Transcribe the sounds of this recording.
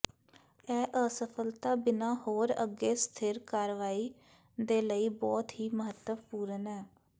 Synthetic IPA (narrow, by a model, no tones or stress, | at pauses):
ɛːʔəsəpʰəlt̪aːbɪnãːhoːɾə̰ɡeːst̪ʰɪɾkaːɾʋaːiː | d̪eːləiːbɔːt̪ɦiːməɦət̪ːəpuːɾənɛː